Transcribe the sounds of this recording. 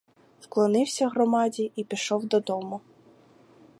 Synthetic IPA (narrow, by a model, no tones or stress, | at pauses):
sklˠɔnɪwsʲɐɣrɔmɑdʲiʔipʲiʃɔwd̪ɔd̪ɔmu